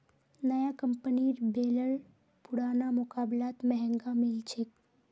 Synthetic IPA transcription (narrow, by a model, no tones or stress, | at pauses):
nɐjakɐ̃mpəniɾbeːləɭ | pʊɽaːnamʊkaːblaːt̪mɛɦɛ̃ŋɡãmɪlt͡ʃʰek